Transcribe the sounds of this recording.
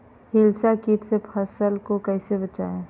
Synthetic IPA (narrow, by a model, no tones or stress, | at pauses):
hilsakiʈsepʰəsəlkokəɪsebət͡ʃaẽ